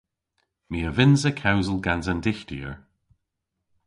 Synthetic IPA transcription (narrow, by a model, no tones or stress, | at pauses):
miəvɪnzəkʰawzəlˠɡanzandɪçtḭə̰ɹ